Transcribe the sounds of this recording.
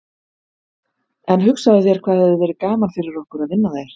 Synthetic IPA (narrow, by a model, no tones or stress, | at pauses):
ɛnɦʏksaðʏθjɛɾ̥kʰv̥aːðhɛvðʏvɛːɾɪkaːmanfɪɾɪɾɔhkʏɾaðvɪnːaðeːjɾ̥